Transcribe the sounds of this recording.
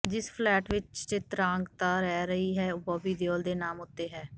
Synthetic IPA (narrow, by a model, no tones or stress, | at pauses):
d͡ʒɪspʰlɛːʈʋɪt͡ʃt̪eːt̪ɾãːŋɡt̪aːɾɛːɾəɦiːɦɛːoːbaːbiːd̪eoːld̪eːnaːmʊt̪ːeːɦɛː